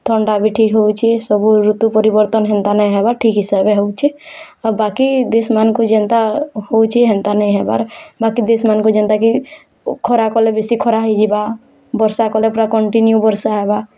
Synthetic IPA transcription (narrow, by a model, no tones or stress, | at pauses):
t̪ʰɔɳɖabʱiʈʰikɦowt͡ʃʰisəbuɾut̪upəɾibəɾt̪ənɦɛ̃nt̪anəĩɦɛbaʈʰikɦisaɦbeɦowt͡ʃʰɛ | əbakid̪esmankod͡ʒə̃nt̪ahowt͡ʃʰiɦɛ̃nt̪anəĩɦeba̰ɾbakid̪esmankod͡ʒənt̪aki | kʰɔɾakɔlebesikʰɔɾaɦid͡ʒiba | bɔɾsakɔlepɾakɔɳʈinjubəɾsaɦeba